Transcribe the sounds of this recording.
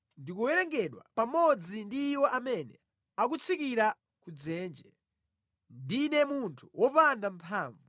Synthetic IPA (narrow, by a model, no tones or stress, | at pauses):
ndikuwɛɾɛŋɡɛɗwa̰pamɔd͡zindiːwɔʔamɛnɛ̰ | ak̬ut͡sʰikiɾa | kud͡zɛːnd͡ʒɛ | ndinɛmuntʰu̥wʔɔpandampʰaːɱvu